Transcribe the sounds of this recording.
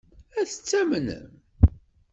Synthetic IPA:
æθə̥t͡sːæmnə̰n

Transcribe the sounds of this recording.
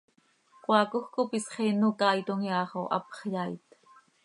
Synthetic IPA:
kʷwɑkuxkopisχenukɑːit̪oŋjɑːχoʔɑ̰pχjɑːit̪

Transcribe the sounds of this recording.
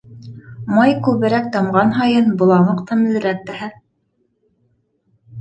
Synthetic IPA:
mɑjkʉβɘ̆ɾæk̚t̪ɑmʁɑnɦɑjɤnbŏlˠɑmɤqt̪ʰɤmɘ̆lɘ̆ɾæk̚t̪æhæ

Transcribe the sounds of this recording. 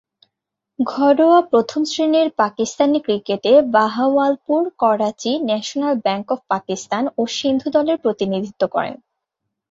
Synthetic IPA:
ɡʱɔɾoapɾot̪ʰomsɾineɾpakist̪anikɾikeʈebaɦawalpuɾkɔɾat͡ɕinɛʃonalbɛŋkɔfpakist̪anoʃind̪ʱud̪ɔleɾpɾot̪inid̪ʱit̪ːokɔ̰ɾḛn

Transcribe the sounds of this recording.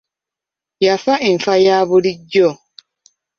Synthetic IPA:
jafaeɱ̩fajaːβuliɟɔ

